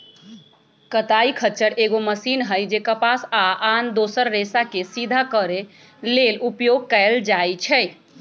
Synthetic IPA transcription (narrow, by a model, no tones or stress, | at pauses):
kət̪aikʰət͡ʃəɾeɡoməsinɦəjd͡ʒekəpasaand̪osəɾːesakesid̪ʱakəɾe | lelupjoɡ̚kəɪld͡ʒajt͡ʃʰɛ